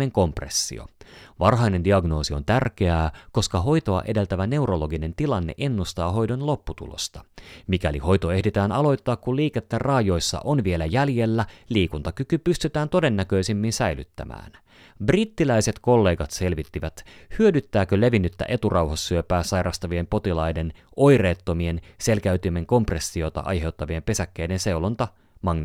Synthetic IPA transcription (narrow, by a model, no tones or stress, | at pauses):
eŋko̞mprḛsːḭo̰ʋɑrɦɑjne̞ndiɑɡno̞ːsio̞nt̪ærk̟e̞æːko̞skɑɦo̞jt̪o̞ɑ̰ʔe̞de̞lt̪æʋæne̞uɾo̞lo̞ɡine̞nt̪ilɑnːḛʔe̞nːust̪ɑːɦo̞jdo̞nlopːut̪ṵlo̰st̪ɑ̥mikæliho̞jt̪oe̞hdet̪æːnɑlo̞jt̪ːɑːkkːuliːket̪ːærɑːjo̞jsːɑ̰ʔonʋielæjælje̞lːæliːkunt̪ɑkykypyst̪yt̪æːnt̪o̞de̞nːækø̞isimːinsæjly̰t̪ːæ̰mæ̰ːn | brit̪ːilæjse̞t̪ko̞lːe̞ːɡɑt̪se̞lʋit̪ːiʋæt̪hyødyt̪ːæːkøle̞ʋinːyt̪ːæ̰ʔet̪urʔɑwhɑsːyøpæːsɑjɾʔɑst̪ɑʋie̞mpo̞t̪ilɑjde̞no̞jreːt̪ːo̞mie̞nse̞lkæyt̪yme̞ŋko̞mpresːiot̪ɑ̰ʔɑ̰jɦe̞wt̪ːɑʋiempe̞sækːeːdense̞ulont̪ɑ | mɑŋn